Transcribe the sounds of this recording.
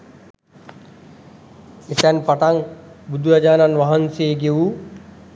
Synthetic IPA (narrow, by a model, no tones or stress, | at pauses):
etɛnpaʈaŋbud̪ʱuɾad͡ʒaːnanʋaɦanseːɡeʋu